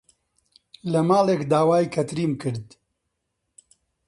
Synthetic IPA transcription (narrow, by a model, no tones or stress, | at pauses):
lɐmaːleːkd̪aːwaːjkʰɐt̪ɾiːmkɨɾd̪